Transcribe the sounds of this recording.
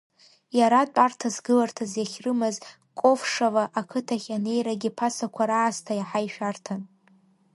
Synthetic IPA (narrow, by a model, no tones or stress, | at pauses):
jaɾatʷʼartʰazɡɨlartʰazjaχʲrɨmɨz | kʼo̞fʂavaʔakʰɨtʰaχʲane̞jɾaɡʲipʰasakʷʰaɾaːstʰajaħajʃᶣartʰan